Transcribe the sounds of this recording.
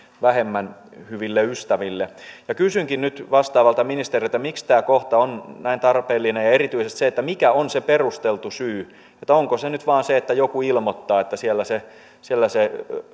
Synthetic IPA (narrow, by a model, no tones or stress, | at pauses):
ʋæhemːænhyʋilːeyst̪æʋilːejɑkysyŋkinnyt̪ʋɑst̪ɑːʋɑlt̪ɑminist̪eriet̪ːæmikst̪æːkoht̪ɑonnæint̪ɑrpeːlːinejɑerit̪yisest̪seet̪ːæmikæonseperust̪elt̪usyː | et̪ːæoŋkosenyt̪ʋɑːnseet̪ːæjokuilmot̪ːɑːet̪ːæsielːæse | sielːæse